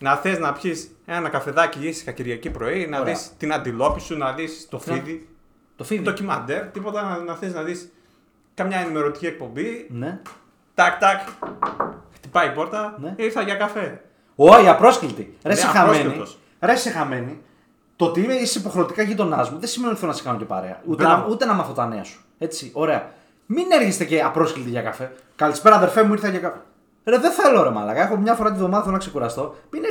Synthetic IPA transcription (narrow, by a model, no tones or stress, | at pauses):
nɐθeznɐpçise̞nɐnɐkɐfe̞ðɐciisi̥kɐciɾʝɐcipɾo̞inɐðist̪inɐnd̪ilo̞pisunɐðist̪ofiði | t̪ofit̪ocimɐnd̪e̞ɾt̪ipo̞t̪ɐnɐθeznɐðis | kɐmɲɐenime̞ɾo̞t̪i̥ciek̚po̞mbine | t̪ɐkt̪ɐk | xt̪ipɐipo̞ɾt̪ɐneiɾθɐʝɐkɐfe̞ | oaiɐpɾo̞sklit̪iɾesexameni | ɾesexame̞ni | t̪o̞t̪iimeisipo̞xɾe̞ot̪ikɐʝit̪o̞nɐzmuðesimenot̪iθelonɐsi̥kɐnoce̞pa̰ɾe̞̰ɐ̰ut̪eut̪e̞nɐmɐθo̞t̪ɐnḛɐsu̥ | e̞t͡sio̞ɾe̞ɐ̰ | mine̞ɾçest̪ece̞ɐpɾo̞sklit̪iʝɐkafe̞ | kɐlispe̞ɾɐːðe̞ɾfemuiɾθɐʝɐkɐ | ɾeðeθeloɾemɐ̰lɐ̰ɣɐe̞xomɲɐfo̞ɾɐt̪iðo̞mɐðɐθelonɐkse̞kuɾɐst̪o̞mine